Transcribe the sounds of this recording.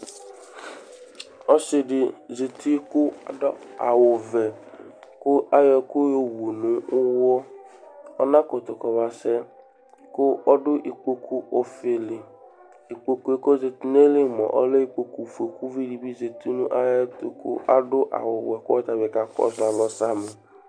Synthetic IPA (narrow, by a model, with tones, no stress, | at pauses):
ɔ˦sɪ˦˨dɪ˨ze˨ti˦kʊ˦a˨dɔ˦a˨wʊ˨vɛ˨ | kʊ˦a˦jɔ˨kʊ˦je˨wo˨nʊ̃˨ʊ˦wɔ˦ | ɔ̰˦nã˦kʊ˨t̪ʊ˨kɔ˨βa˨sɛ˦ | kʊ˦ɔ˦dʊ˦ʔi˨k͡po˦kʰu˦ʔɔ˦fe˨lɪ˨ | i˨k͡po˨ku˦e˦ko˦ze˨ti˦n˦e˦lɪ˦˨mɔ̰˨ʔɔ̰˦le˦i˦˨k͡po˨ku˨fe˨ku˦vi˦di˨bi˦ze˨ti˦nṵ̃˦ʔa˦jɛ˦tkʊ̰˦ʔa̰˦dʊ˦ʔa̰˨wʊ˨wɛ˨kʊ˦ɔ˦t̪a˨bɪ˨ka˨kɔ̰˦za˨lɔ˦sa˦mʊ˨